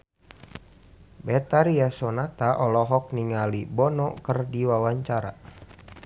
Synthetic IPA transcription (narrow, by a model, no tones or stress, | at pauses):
bɛt̪aɾiasɔnat̪aʔɔlɔɦɔk̚niŋalibɔnɔkərdiwawaɲt͡ʃaɾa